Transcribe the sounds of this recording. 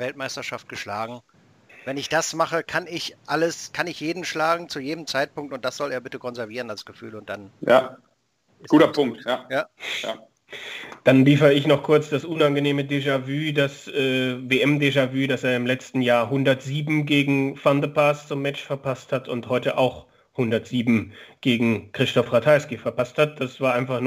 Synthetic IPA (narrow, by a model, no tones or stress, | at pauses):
vɛltmaɪstɐʃaft̚ɡ̥əʃlaːɡŋ̩ | vɛnɪçd̥asmaχəkʰanɪçʔaləskʰanɪçjeːdn̩ʃlaːɡŋ̩t͡sujeːdəm̩t͡saɪt̚pʊŋktʊnt̚d̥asz̥ɔleːɐbɪtəkʰɔnzɛɐviːʁ̞ənalsɡ̥əfy̰ːlʊnt̚d̥anjaː | ɡ̥uːtɐpʰʊŋk̚tjaːjaːa | d̥anliːfəəɪçnɔχkʰʊɐt͡sd̥asʔʊnanɡəneːmədeʒavyːdasʔɛːveːʔɛmdeʒavyːdaseːɐɪmlɛt͡stn̩jaːɐɦʊndɐtz̥iːbm̩ɡeːɡŋ̩fandəpʰaːst͡sʊmːɛt͡ʃfɛɐpʰasthatʰʊnthɔʏtəʔaʊx | hʊndɐtz̥iːbm̩ɡ̥eːɡŋ̩kʁ̥ɪstɔfʁatʰaɪskifɛɐpasthat̚d̥asv̥aːɐʔaɪnfaχnuː